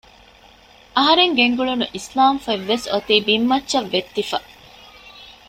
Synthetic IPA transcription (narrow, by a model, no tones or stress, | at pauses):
ʔɐɦɐɾeŋɡeŋɡuɭunuʔislaːmfeʋːesot̪iːbimːɐtːʃɐʋːet̪ːifɐ